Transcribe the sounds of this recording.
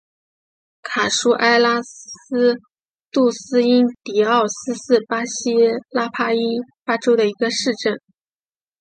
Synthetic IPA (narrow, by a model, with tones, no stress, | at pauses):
kʰa˨˩ʂu˥ʔa˥ɪla˥ | t̪u˥˩sɹ̩˥i˥nt̪i˨˩ɑ˥˩ʊsɹ̩˥sɹ̩˥˩pa˥ɕi˥la˥pʰa˥i˥nfa˥ʈ͡ʂo˥ʊd̪ə˨i˧˥ɡə˧ʂɻ̩˥˧ʈ͡ʂə˥˩n